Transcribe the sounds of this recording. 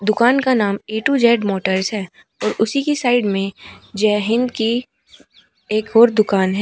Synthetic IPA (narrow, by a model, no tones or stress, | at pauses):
d̪ʊkaːnkanaːmeːʈud͡ʒɛːɖmoːʈəɾsɦɛː | ɔːɾʊsikisaːɪɖmẽd͡ʒɛɦɪ̃nd̪ki | eːkɔːɾd̪ʊkaːnɦɛ